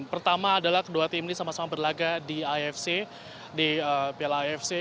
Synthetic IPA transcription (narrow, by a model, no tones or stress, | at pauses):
pərt̪amaːdalahkəduat̪ɪmnisamasamabərlaɡadiaɛfse | diəpialaaɛfse